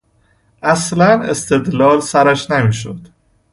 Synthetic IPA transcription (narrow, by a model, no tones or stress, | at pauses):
ʔæslænest̪e̞d̪lɒːlsæɾæʃnemiːʃo̰d̪̥